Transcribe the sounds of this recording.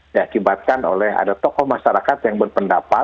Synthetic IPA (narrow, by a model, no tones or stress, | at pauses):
diakibat̪̚kano̰lɛɦa̰dat̪ɔkɔhmaʃaɾakat̪jaŋbərpəndapa